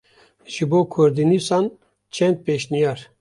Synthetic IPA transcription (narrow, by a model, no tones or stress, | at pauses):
ʒibokʰoɾd̪inisɑn | t͡ʃʰɛnt̪̚peʃnijɑɾ